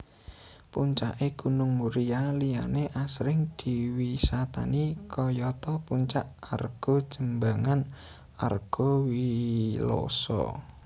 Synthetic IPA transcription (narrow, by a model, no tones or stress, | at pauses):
puɲt͡ʃa̰ʔeɡ̥ṳnʊŋmuɾialija̰neʔasɾɪŋd̪̥i̤wisat̪a̰nikɔjɔt̪ɔpuɲt͡ʃaʔarɡ̥o̤̥d͡ʒ̥əmbaŋan | a̰rɡ̥o̤wilo̰sɔ̰